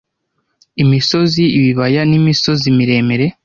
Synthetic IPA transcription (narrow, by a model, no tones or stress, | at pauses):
imiso̞ziiβiβajanimiso̞zimiɾe̞ːme̞ɾe̞